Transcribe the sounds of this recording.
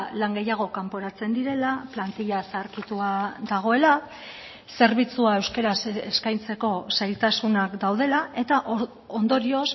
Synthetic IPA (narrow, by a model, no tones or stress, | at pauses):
laŋɡe̞jaɣ̞o̞kampo̞ɾat͡se̞nd̪iɾe̞laplant̪iʎasaɾkit̪uad̪aɣ̞o̞e̞la | se̞ɾβit͡suae̞wske̞ɾaseskajnt͡se̞ko̞sajlt̪asunakd̪awð̞e̞lae̞t̪aʔ | o̞nd̪o̞ɾio̞s